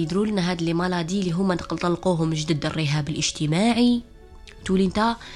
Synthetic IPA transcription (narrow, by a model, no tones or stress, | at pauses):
əd̪ɾulənæɦæd̪əlimɑlɑd̪iliɦʊmːænqlt̪ˤɑlːquɦʊmʒd̪əd̪ərˤːəɦæbəlʔəʒt̪əmaʕi | t̪ulint̪æ